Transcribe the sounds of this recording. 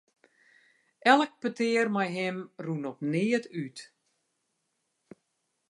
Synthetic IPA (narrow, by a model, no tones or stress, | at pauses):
ʔɛlˠək̚pətɪːərmɛjɦɪmrunɔpnɪətyt